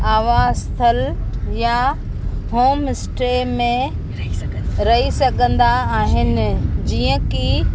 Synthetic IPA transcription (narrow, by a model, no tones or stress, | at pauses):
aːʋaːzt̪ʰɐlja | ɦoːmɪsʈɾemẽ | ɾɐɦisɐɡʱə̃nd̪aːɦɪnɪ̆d͡ʑiːə̃ki